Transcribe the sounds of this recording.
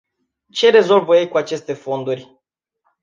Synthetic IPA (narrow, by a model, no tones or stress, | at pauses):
t͡ʃe̞ɾe̞zo̞lvəjejkuat͡ʃe̞st̪e̞fo̞nd̪urʲ